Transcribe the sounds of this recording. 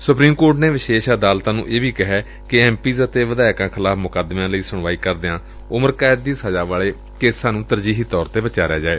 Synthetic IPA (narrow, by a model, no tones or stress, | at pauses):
sʊpɾiːmkoːɾʈneːʋɪʃeːʃəd̪aːlt̪ãːnṵ̃ːʔeːbiːkəɦɛː | kɪɛːmpiːzət̪eːʋəd̪aːɪkãːkʰɪlaːfmʊkəd̪mãːləiːsʊɳ̃ʋaːiːkəɾd̪eãː | ʊməɾkaːɪd̪̚d̪iːsəd͡ʒaːʋaːɭeː | keːsaːnũːt̪əɾd͡ʒiːɦiːt̪ɔːɾt̪eːbət͡ʃaːɾeja̰ːd͡ʒaːeː